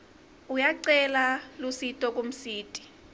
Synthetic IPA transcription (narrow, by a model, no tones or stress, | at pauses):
ujaǀɛlalusitʼɔk̬ʼom̩siːtʼi̥